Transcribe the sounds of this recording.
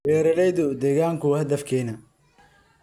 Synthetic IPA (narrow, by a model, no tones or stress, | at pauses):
bɛːɾɐlɛjðʊd̪ɛːɣaːŋkʰʊhɐd̪ɐfkʰɛːnɐ